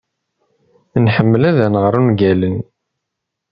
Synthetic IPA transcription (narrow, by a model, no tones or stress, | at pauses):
nħəmːəlæðænəʁəɾˤunɡælən